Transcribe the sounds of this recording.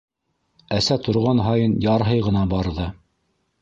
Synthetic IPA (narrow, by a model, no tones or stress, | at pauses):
æsæt̪ʰŏɾʁɑnɦɑjɤnjɑɾɦɤjʁɤ̆nɑbɑɾðɤ